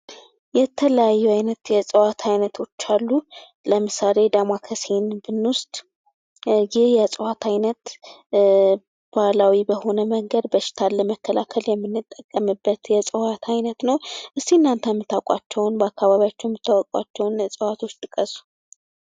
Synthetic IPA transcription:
jɛt̪ʰələjajːuajnət̪jɛsʼɨwat̪ʰajnət̪ʰo̞t͡ʃːalːu | ləmɨsale̞d̪amakʰəsenbɨnːwʊst̪ʼ | jɪhjɛsʼɨwat̪ʰajnət̪ | b̥alawibəho̞nəməŋɡəd̪̚bəʃɪ̥t̪ʰalːəməkːəlakʰəljɛmːɨnːɨt̪ʼːəkʼːəmɨbːət̪jɛsʼɨwat̪ʰajnət̪nəwʔɨst̪inːant̪ʰəjmːɨt̪ʰakʷʼa̰t͡ʃːɛwnbəakːaβaβijat͡ʃːɛwjɛmːɨt̪ʰːawɔkʼwa̰t͡ʃːɛwnsʼɨwat̪ʰo̞t͡ʃːt̪ʼɨkʼəsu̥

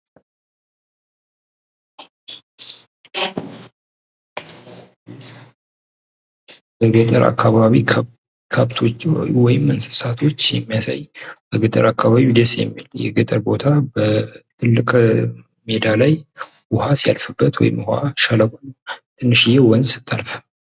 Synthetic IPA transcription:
bəɡət̪ʼəɾʔa̰kʰːaβaβi | kʰaβt̪ʰowɔjɪmːənsɨ̥sat̪ʰo̞t͡ʃːjɛmːijasa̰jbəɡɨt̪ʼə̰ɾakʰːaβaβid̪esjɛ̰mːiljɛ̰ɡɨt̪ʼəɾbo̞t̪ʰabət̪ʰɨlːɨkʼ | me̞d̪alaj | wʊhasija̰lfɨbːət̪wɔ̰jɪ̰mːha̰ʃaləmont̪ʰɨnːɨʃɪjɛwɔnzsɨ̥t̪ʰːalfə

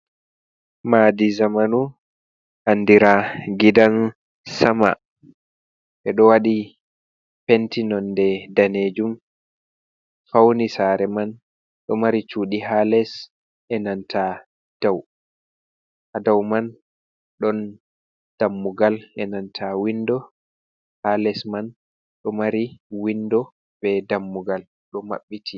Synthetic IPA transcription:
madizamanu | ʔandiɾaɡidan | sama̰ | ʔɛɗɔwaɗi | pɛntinɔndɛdaned͡ʒum | fawnisaɾɛman | ɗɔmaɾit͡ʃuːɗiɦalɛs | ʔɛnantʰa | d̥aw | ʔadawman | ɗɔn | d̥amːuɡalʔɛnantʰawindɔ | halɛsman | ɗɔmaɾiwindɔ | bɛdamːuɡal | ɗɔma̰ɓːitʰi

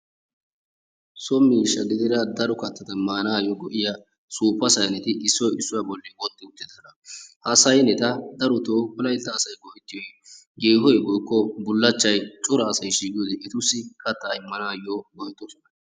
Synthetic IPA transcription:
sɔmːiːʃːɐɡɪd̪ɪd̪ɐd̪ɐɾʊkɐt̪ːɐt̪ɐmaːnaːjɔɡɔʔɪja | suːpːɐsɐjnɛt̪ɪʔɪsːɔjɪsːʊjabɔlːɛwɔt̪ːɪʊt̪ːɪd̪ɐnɐhɐsɐjɛnɛt̪ɐd̪ɐɾʊt̪oːʊlɐjt̪ːɐːsɐjɡɔʔɪt̪ːɪjɔj | ɡeːɦɔjbɔjkːɔbʊlːɐt͡ʃːɐjt͡ʃʼʊɾɐːsɐjʃiːɡjɔd̪ɛʔɪt̪ʊsːɪkɐt̪ːaːɪmːɐnaːjɔɡɔjɛt̪ːɔsɔ̥nɐ

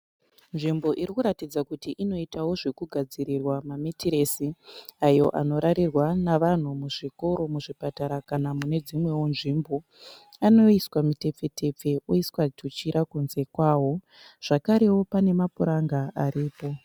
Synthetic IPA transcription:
nʐimbo̞ʔiɾikuɾatid͡zakutiʔino̞itawo̞ʐe̞kuɡʱad͡ziɾirwamametiɾe̞siajo̞̰ʔa̰no̞ɾaɾirwanaʋan̤umuʐiko̞ɾo̞muʐipataɾakanamune̞d͡zimwe̞wonʐimbo̞ | ano̞iswamite̞p͡fe̞tʰe̞p͡fe̞uiswatʰut͡ʃiɾakunze̞kwaːwo̞ | ʐ̥akaɾe̞wo̞pane̞mapuɾaŋɡaʔaɾiːpo̞

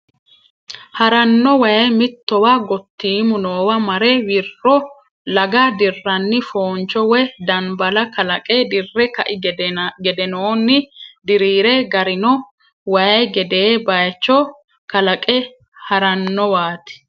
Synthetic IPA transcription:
hɐɾɐnːɔwɐjɐjmɪt̪ːɔwaɡɔt̪ːiːmʊnoːwɐmɐɾɛwɪrːɔ | lɐɡɐd̪ɪrːɐnːɪfoːnt͡ʃːɔwɛd̪ɐnbɐlɐkɐlɐkʼɛd̪ɪrːɛkɐʔɪɡɛd̪ɛnoːnːɪd̪ɪɾiːɾɛɡɐɾɪnɔ | wɐjɐjɡɛd̪eːbɐjt͡ʃːɔ | kɐlɐkʼɛ | hɐɾɐnːɔwaːt̪ɪ̥

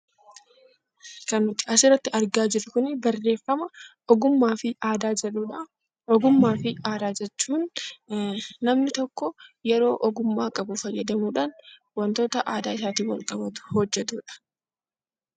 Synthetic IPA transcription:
kɐnːʊt̪ːɪ̥ɐsɪrːɐt̪ːɪɐɾɡaːd͡ʒɪɾʊkʊnɪbɐrːe̞ːfːɐmɐ | ɔɡʊmːaːfɪaːd̪aːɛᶑuːᶑɐ | ɔɡʊmːaːfɪaːd̪aːd͡ʒɛt͡ʃːuːn | ɐmnɪt̪ɔkːɔjɛɾo̞ːʔɔɡʊmːaːkʼɐbʊfɐjːɛd̪ɐmuːᶑaːn | wɐnt̪o̞ːt̪ɐʔaːd̪aːɪsaːt̪iːwɐlkʼɐbɐt̪ʊ̥hɔd͡ʒːɛt̪uːᶑɐ̥

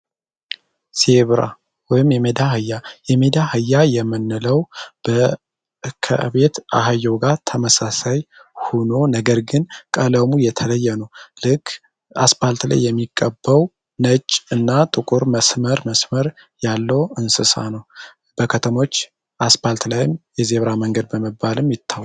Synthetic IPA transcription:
seβɾa̰ | wɔjɪmjɛmed̪ahɨjːajɛmed̪ahɨjːajɛmːɨnːɨləwb̥ə | kʰə̰βe̞t̪a̰ɦajːoɡat̪ʰəməsasajhono̞nəɡəɾɡɨnkʼələmujɛt̪ʰələjːɛnəwlɨkː | asbalt̪la̰jːɛmːikʼːəbːəw | nət͡ʃʼɨnːat̪ʼɨkʼuɾməsməɾməsməɾ | jalːəwɨnsɨsa̰nəw | b̥əkʰət̪ʰəmo̞t͡ʃː | ʔasbalt̪lajɪmjɛzeβɾaməŋɡəd̪̚bəməbalɨmjɪt̪ʰːaw

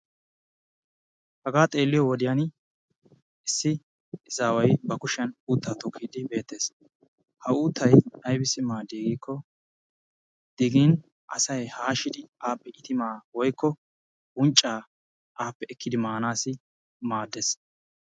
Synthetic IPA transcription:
hɐɡaːt̪ʼe̞ːlːɪjɔwɔd̪ɪjan | ɪsːɪ | ɪzaːwɐjbɐkʊʃɛnuːt̪ːaːt̪ɔkʰːiːd̪ɪbe̞ːt̪ːe̞ːs | hɐuːt̪ːɐjɐjbɪsɪmaːd̪ːeːɡiːkːɔ | d̪̥ɪɡiːn | ʔɐsɐjhaːʃɪd̪ɪaːpːɛʔɪt̪ɪmaːwɔjkːɔ | wʊnt͡ʃʼːaː | ʔaːpːɛɛkʰːɪd̪ɪmaːnaːsɪ | maːd̪ːes

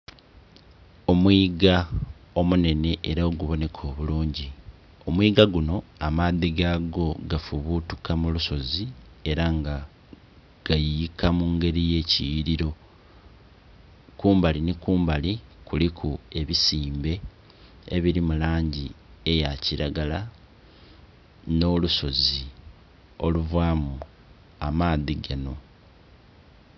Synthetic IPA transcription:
o̞mwiːɡa | o̞mune̞ne̞ʔeɾaoɡuβo̞ne̞kʰo̞ːβuluːɲɟi | o̞mwiːɡaɡuno̞amaðiɡaɡo̞ɡafuβutu̥kamuluso̞zi | e̞ɾaŋɡa | ɡ̥ajiikamuːŋɡe̞ɾije̞ːcijiɾiɾo̞ | kuːmbalinikuːmbalikulikʰue̞βisiːmbe̞ | eβiɾimulaːɲɟie̞jaciɾaɡala | no̞ːluso̞zi | o̞luvwaːmu | amaːðiɡano̞

